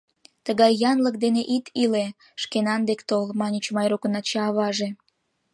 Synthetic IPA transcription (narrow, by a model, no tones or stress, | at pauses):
t̪əɣɑjːɑnləkd̪eneʔit̪ʰile | ʃkenɑnd̪ekt̪olmɑnʲit͡ɕmɑjɾokənɑt͡ɕɑːβɑʒe